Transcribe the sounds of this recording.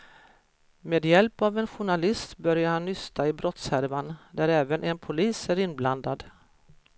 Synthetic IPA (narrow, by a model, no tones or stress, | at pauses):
meːd̪jɛlpavɛnɧʊɳalɪst̪bœɾjaɾhanːʏst̪ʰaɪbɾɔt̪shæɾvand̪æɾɛːvənʔɛnpʰʊliːsæɾɪnbland̪ad̪